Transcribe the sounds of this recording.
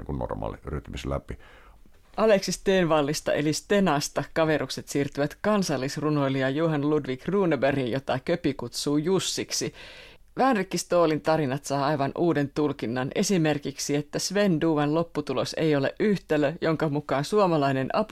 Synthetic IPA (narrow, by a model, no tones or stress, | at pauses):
iŋkunno̰rmɑ̰ːlḭryøt̪ːˑymiselæ̰pi | ʔɑle̞ksist̪eːnʋɑlːist̪ɑ̰ʔe̞̰list̪e̞nɑst̪ɑkɑʋe̞ɾukse̞t̪siːrt̪yʋæt̪kɑnsɑlːisruno̞jliɑjuɦɑnludʋikruːneberinjo̞t̪ɑkøpikut̪suːjusːiksi | ʋæːnrikːist̪o̞ːlint̪ɑɾinɑt̪sɑːɑjʋɑnʔuːde̞nt̪ulkinːɑne̞sime̞rkiksiet̪ːæsʋe̞nduːʋɑnlo̞pːut̪ulo̞̰se̞̰jo̞le̞̰ʔʔyht̪eløjo̞ŋkɑmukɑːnsuomɑlɑine̞nʔɑp